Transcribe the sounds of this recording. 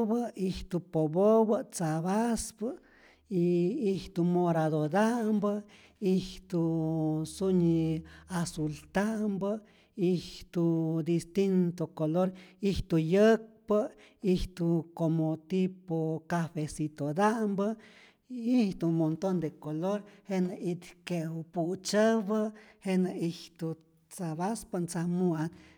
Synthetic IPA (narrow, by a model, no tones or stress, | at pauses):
βəiht̪upoβoβət͡saβaspə | iiht̪umoɾaðod̪ambə | iht̪u | suɲiasult̪ambə | iht̪ud̪ist̪int̪okoloɾiht̪ujək̚pə | iht̪ukomot̪ipokafesit̪od̪ambə | iht̪umont̪ond̪ekoloɾhenait̪keput͡ʃəbəhenaiht̪u | t͡saβaspant͡samuan